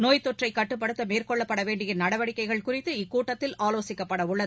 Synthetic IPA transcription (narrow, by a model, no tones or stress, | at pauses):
noːjt̪ːɔʈrɐɪkːɐʈːɯpːɐɽɯt̪ːɐmeːrkɔɭːɐpːɐɽɐʋeːɳɖɪjɪnnɐɽɐʋɐɽɪkːɐɪɣɐɭkʊrɪt̪ːɯɪkːuːʈːɐt̪ːɪlaːloːsɪkːɐpːɐɽɐʊɭːɐðɯ